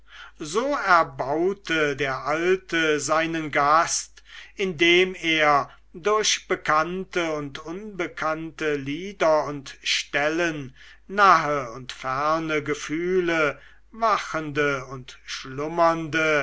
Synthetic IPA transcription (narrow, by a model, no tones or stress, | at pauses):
zoːɛɐbaʊtʰədeːɐʔaltəzaɪnənɡast | ʔɪndeːmeːɐ | dʊɐɕb̥əkʰantəʊntʊnbəkʰantəliːdɐʊntʃtɛlənː | aɦəʊntfɛɐnəɡəfyːlə | vaxəndəʊntʃlʊmɐndə